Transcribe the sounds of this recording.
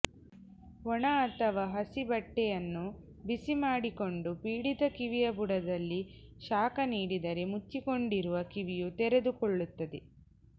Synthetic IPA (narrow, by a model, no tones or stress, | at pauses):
ɔɳɐːt̪ɐʋaːɦɐsibɐʈːɛjɐnːu | bisimaːɽiko̞ɳɖupiːɽit̪ɐkiʋijɐbuɽɐd̪ɐlːi | ʃaːkɐniːɽid̪ɐɾe̞mut͡ʃːiko̞ɳɖiɾuʋɐkiʋijut̪ɛɾed̪ukoɭːut̪ːɐd̪e